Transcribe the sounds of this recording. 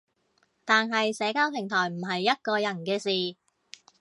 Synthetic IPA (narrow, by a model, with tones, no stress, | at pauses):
t̪aː˨˧nɦɐ˨jsɛː˨˧kaː˥wpʰɪ˨˩ŋt̪ʰɔː˨˩jm̩˨˩ɦɐ˨jːɐ˥t̚kɔː˧jɐ˨˩nkɛː˧siː˨